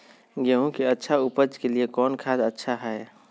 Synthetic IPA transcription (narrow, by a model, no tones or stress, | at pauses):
ɡeɦũkeətːʃʰaʊpəd͡ʒkeliekɔːnkʰaːd̪ətːʃʰaɦɛː